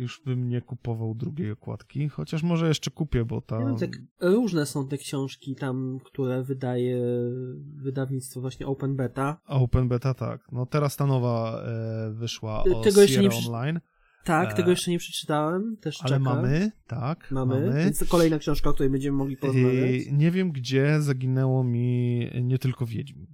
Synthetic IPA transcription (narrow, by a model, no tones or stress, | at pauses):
juʐbɘmɲɛkupɔvawd̪ɾuɡʲejɔkwa̰t̪kʲixɔt͡ɕaʂmɔʐɛjɛʂt͡ʂɛkupʲjɛbɔ̰t̪aavvmakɾuʐnɛsɔ̃w̃t̪ɛkɕɔ̃w̃ʂkʲit̪amkt̪uɾɛvɘd̪ajɛ | vɘd̪avɲit̪st̪fɔvwaɕɲɛʔɔwpɛnbɛt̪aɔwpɛnbɛt̪at̪a̰knɔt̪ɛɾast̪anɔva | vɘʂwaɔ̰t̪ɛɡɔɛʂt͡ʂɛɲɾɛɔnlajn | t̪ak̚t̪ɛɡɔjɛt͡ʂɛɲɛpʂɛ̥t͡ʂɘ̥t̪awɛmt̪ɛʂat͡ʃlɛmkaamɘt̪akmamaɘɛnskɔlɛjnakɕɛ̃w̃ʂkaɔkt̪uɾɛjbɛɲd͡ʑɛmɘmɔɡlʲipɔzavat͡ɕɲɛvʲjɛmɡd͡ʑɛzaɡʲinɛwɔmʲiɲɛt̪ɘlkɔvʲjed͡ʑmʲi